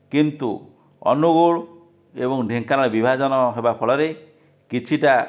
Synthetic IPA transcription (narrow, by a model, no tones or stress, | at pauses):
kint̪u | ɔ̰nuɡoɭ | ebɔŋɖʱeŋkanɔɭebibʱad͡ʒɔnɔɦebapʰɔɭɔɾe | kit͡ʃʰiʈa